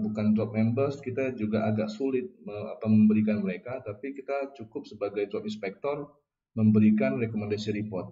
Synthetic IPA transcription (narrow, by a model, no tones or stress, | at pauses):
bukant̪ɾɔp̚mɛmbərskit̪ad͡ʒuɡaʔaɡaʔsulɪt̪̚məa̰pawməmbəɾikanməɾekat̪apikit̪at͡ʃukʊp̚səbaɡajt̪ɾɔpinspɛk̚t̪ɔr | məmbəɾikanrekomandasiɾipɔrt̪̚